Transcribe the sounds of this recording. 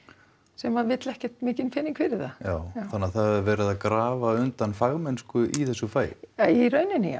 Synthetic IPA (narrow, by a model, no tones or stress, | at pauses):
sɛmavɪt̪lɛhcɛt̪mɪːcɪnfɪnːiŋkfɪɾɪɾθajaːwθanːaθaðhɛðvɛːɾɪðaðkɾaːvaʏnt̪anfaɣmɛnskʏʔiθɛsːʏfaːjiɾœːɥnɪnɪa̰